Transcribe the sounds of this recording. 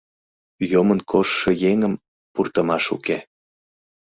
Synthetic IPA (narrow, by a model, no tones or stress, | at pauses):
jomənkʰoʃːejeŋəm | purt̪əmɑʃṵke